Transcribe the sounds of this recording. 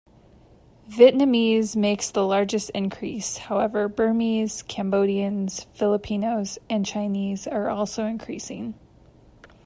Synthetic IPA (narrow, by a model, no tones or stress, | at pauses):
vɪʔⁿnɨmizmeɪksðəlɑɹd͡ʒɨstɪ̃nkʰɹ̥ḭshaʊɛvə˞bɜ˞miz̥kʰæ̃mboʊɾiɨ̃nz̥fɪlˠəpʰĩnoʊzɨ̃nt͡ʃʰãɪ̃nizə˞ʔɔlˠsoʊɨ̃nkʰɹ̥isɪ̃ŋ